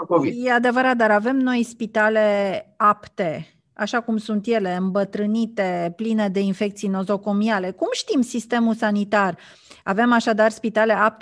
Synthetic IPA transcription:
kovijead̪e̞vəɾat̪̚d̪aɾave̞mno̞jspit̪ale̞apt̪e̞ | a̰ʃakumsunt̪je̞le̞ɨmbət̪ɾɨnit̪e̞pline̞d̪e̞infe̞kt̪sijno̞zo̞ko̞miale̞kumʃt̪imsist̪e̞mulsanit̪ar | ave̞maʃad̪arspit̪ale̞ap̚t̪

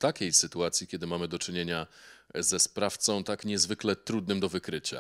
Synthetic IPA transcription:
t̪akʲejsɘt̪uat̪sʲjikʲɛd̪ɘmamɘd̪ɔt͡ʂɘɲeɲazɛspɾaft̪sɔ̃w̃t̪akɲɛzvɘklɛt̪ɾud̪nɘmd̪ɔvɘkɾɘt͡ɕa̰

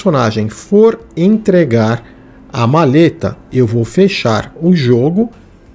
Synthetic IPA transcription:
sonaʒẽj̃foɾẽnt̪ɾeɡaɾ | ɐmalet̪ɐ̰ewvowfeʃa̰ɾʊʒoɡʊ

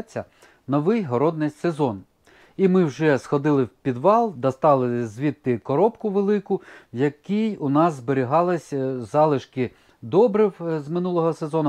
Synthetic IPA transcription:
t͡sʲːɐ | nɔʋɪjɦɔɾɔd̪̚nɪjsezɔn | imɪwʒɛsxɔd̪ɪlˠɪwpʲid̪ʋɑlˠd̪ɐst̪ɑlˠɪzʋʲit̪ːɪkɔɾɔpkʊʋelˠɪkʊjɐkijʊnɑzzbeɾʲiɦɑlˠɪsʲzɑlˠɪʃkɪ | d̪ɔbɾɪwzmɪnulˠɔɦɔsezɔnʊ

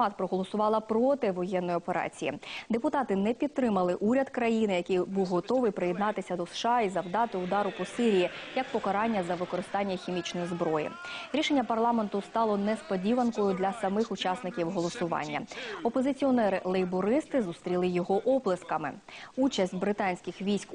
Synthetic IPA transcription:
ɑt̪pɾɔɦɔlˠɔsʊʋɑlˠɐpɾɔt̪ɪʋɔjɛnːɔjiɔpeɾɑ̰t͡sʲijḭd̪epʊt̪ɑt̪ɪnɛpʲid̪t̪ːɾɪmɐlˠɪʔuɾʲɐd̪kɾɐjinɪjɐkɪjbuwɦɔt̪ɔʋɪjpɾɪjɛd̪nɑt̪ɪsʲɐd̪ɔsʃɑizɐwd̪ɑt̪ɪʊd̪ɑɾʊpɔsɪɾʲijijɐk̚pɔkɐɾɑnʲːɐzɐʋɪkɔɾɪst̪ɑnʲːɐxʲimʲit͡ʃnɔjizbɾɔjḭɾʲiʃenʲːɐpɐrlˠɑment̪ʊst̪ɑlˠɔnɛspɔdʲiʋɐnkɔjʊd̪lʲɐsɐmɪxʊt͡ʃɑsnɪkʲiwɦɔlˠɔsʊʋɑ̰nʲːɐ̰ɔpɔzɪt͡sʲiɔnɛɾɪ̰lˠɛjbɔɾɪst̪ɪzust̪ɾʲilˠɪjɔɦɔʔɔblˠɪskɐmɪ̰ut͡ʃɐsʲtʲbɾɪt̪ɑnʲsʲkʲɪxʋʲijsʲk

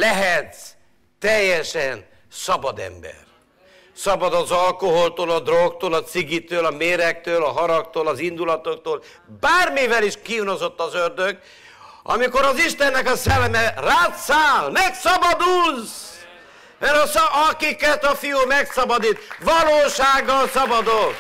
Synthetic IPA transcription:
lɛɦɛt̪ | t̪ːɛjːɛʃɛn | sɒbɒd̪ɛ̰mbɛ̰r | sɒbɒd̪ɒzɒlkoɦo̞lt̪oːlɒd̪rokt̪oːlɒt̪siɡit̪øːlɒmeːɾɛk̚t̪øːlɒɦɒɾɒk̚t̪oːlɒzind̪ulɒt̪okt̪oːl | baːrmivɛliʃkiːnozo̞t̪ːɒzørd̪øɡ | ɒ̰miko̞ɾɒziʃt̪ɛnːɛkɒsɛlːɛmɛraːt̪saːlmɛksɒbɒd̪ulz | mɛɾsɒkikɛt̪ɒfijuːmɛksɒbɒd̪it̪ʋɒloːʃaːɡːɒlsɒbɒd̪ok

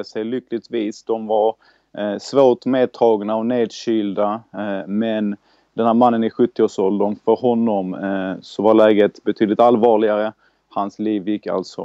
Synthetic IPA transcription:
əsɛjlʏkːlɪt̪viːsd̪ɔmvaɾ | svoːʈmeːd̪̚t̪ʰɑːɡnaɔneːd̪ɕyːld̪amɛn | d̪ɛnhæːɾmanːənɪɧɵt̪ːɪoːʂɔld̪ənfœɾɦɔnːɔmsɔvaɾlɛːɡət̪bɛt̪ʰyːd̪lɪt̪alvɑːɭɪɡaɾə | hansliːvjɪkːa̰lt̪sɔ̰

